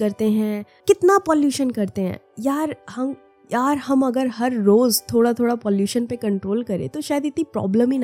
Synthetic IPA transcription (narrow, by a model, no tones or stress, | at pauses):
kɐɾt̪eɦɛ̃ | kɪt̪napɔːljuːʃənkɐɾt̪eɦɛ̰̃ːjaːɾhɐm | jaːɾhɐmɐɡəɾɦɐɾːoːzt̪ʰoːɽat̪ʰoːɽapɔːljuːʃənpekɐ̃ɳʈɾoːlkɐɾḛ̃t̪oʃaːjəd̪ɪt̪nipɾɔ̰ːbləmin